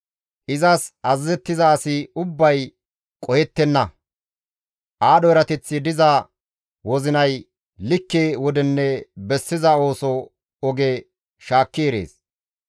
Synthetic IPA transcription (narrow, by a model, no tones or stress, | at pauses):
ʔɪzɐsɐzːɛt̪ːɪzɐːsɪʊbːɐj | kʼɔjɛt̪ːɛnːɐ | ʔaːɗɔɛɾɐt̪ɛt͡sːɪd̪ɪzɐ | wɔzɪnɐj | lɪkːeːwɔd̪ɛnːɛbɛsːɪzɐo̞ːsɔ | ɔɡɛ | ʃaːkːeːɾḛːs